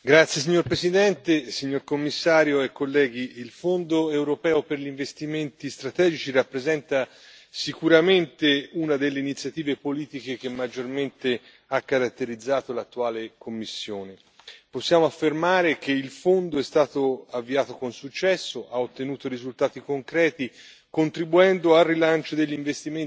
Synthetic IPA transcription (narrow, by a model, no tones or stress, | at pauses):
ɡɾat̪sːjes̬iɲːoɾpɾesid̪ɛnt̪esiɲːorkomːisːaːɾjoekːolːɛːɡiilfond̪oewɾopɛːoperʎiɱvest̪iment̪ist̪ɾat̪ɛːd͡ʒit͡ʃirapːɾezɛnt̪a | sikuɾament̪eunad̪elːeinit̪sːjat̪iːvepoliːt̪ik̟ek̟emːad͡ʒːorment̪e | akːaɾat̪ːeɾid̪zːaːt̪olat̪ːuaːlekomːisːjoːne | posːjaːmoafːermaːɾek̟eilfond̪oɛst̪aːt̪oavːiaːt̪okonsut͡ʃːɛsːoʔaot̪ːenuːt̪oɾizult̪aːt̪ikoŋkɾɛːt̪i | kont̪ɾibuɛnd̪oarːilant͡ʃod̪eʎːiɱvest̪imen